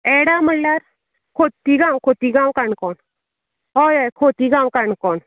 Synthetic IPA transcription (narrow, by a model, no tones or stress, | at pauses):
ɛɽaməlːaɾ | kʰot̪iɡãwkʰot̪iɡãwkaɳkɔn | ɦɔjajkʰot̪iɡãwkaɳkɔn